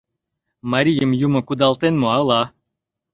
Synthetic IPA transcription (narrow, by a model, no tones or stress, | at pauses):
maɾʲijəmjumə̆kud̪ɑlˠt̪enmualˠɑ